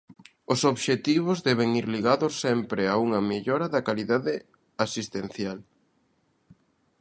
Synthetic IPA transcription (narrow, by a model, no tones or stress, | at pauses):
ʊsoβʃet̪iβ̞ʊzðɛβ̞eŋiɾliɣaðʊsːɛmpɾɪauŋɐmeʎɔɾɐðɐkaliðaðɪ | asist̪ẽn̟θjal